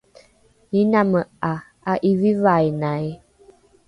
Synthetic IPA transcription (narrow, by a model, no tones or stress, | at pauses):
inaməa | aʔivivajnaj